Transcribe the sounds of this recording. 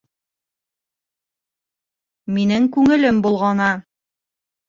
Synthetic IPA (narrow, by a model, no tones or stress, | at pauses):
minɘŋkʉŋɘ̆lɘmbulˠʁɑnɑ